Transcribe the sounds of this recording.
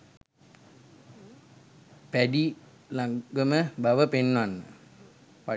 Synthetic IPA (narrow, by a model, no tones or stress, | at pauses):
pæɖi | laɡəməbaʋəpenːʋanːə | pa